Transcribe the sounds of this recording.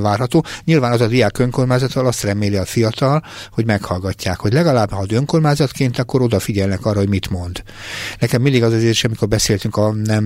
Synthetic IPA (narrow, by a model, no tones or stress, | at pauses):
vaːrɦɒt̪oːɲilvaːnɒzɒd̪ijaːkøŋko̞rmaːzɒt̪ɒlɒst̪rɛmeːliɒfijɒt̪ɒlho̞ɟmɛkhɒlɡɒcːaːkho̞ɟlɛɡɒlaːbhɒd̪ø̞ŋko̞rmaːzɒt̪keːnt̪ɒkːo̞ɾo̞d̪ɒfiɟɛlnɛkɒrːɒhomit̪mo̞nd̪ | nɛkɛmːind̪iɡɒzɛzeːɾiʃɒmiko̞rbɛseːlt̪yŋkɒnɛm